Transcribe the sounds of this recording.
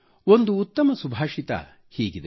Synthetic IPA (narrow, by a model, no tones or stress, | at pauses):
o̞nd̪uːt̪ːɐmɐsubʱaːʂit̪ɐ̰ | hiːɡid̪e